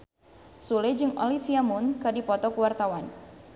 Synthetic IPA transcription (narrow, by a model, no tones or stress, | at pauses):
suled͡ʒɨŋʔo̰lifiamunkɨdipɔt̪ɔkuwart̪awan